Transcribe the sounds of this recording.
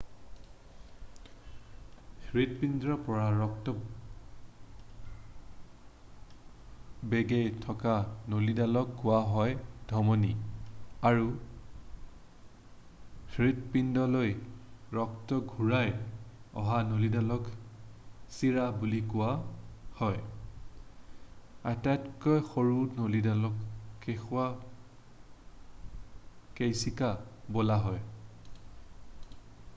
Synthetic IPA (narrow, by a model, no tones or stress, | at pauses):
hɹit̚pindɹɔpɔɹaɹɔktɔ | beɡejtʰɔkanolidalɔkːʊwaɦɔjd̥ʱɔmɔni | aɹu | hɹitpindɔlojɹɔktɔɡʱuɹajɔ̰ɦanolidalɔk | siɹabulikʊwahɔj | atatkɔjxoɹunolidalɔkːexʊa | kejsikabolaɦɔj